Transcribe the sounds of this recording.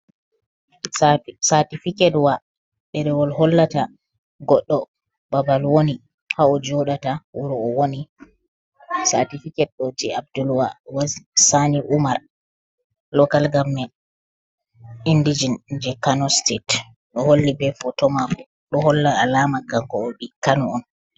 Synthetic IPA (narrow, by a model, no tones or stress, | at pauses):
satifikɛdwa | ɗɛɾɛwɔlhɔlːata | ɡɔɗːɔ | babalwoni | haɔd͡ʒɔɗatawuɾuɔwoni | satifikɛd̚ɗɔd͡ʒɛab̚dulwawazisaniʔumaɾ | lɔkalɡamːɛ | indid͡ʒinɲd͡ʒɛkanɔstet | ɗɔholːibɛfɔtɔmakɔ | ɗɔhɔlːaalamakaŋkɔːɓikanuɔn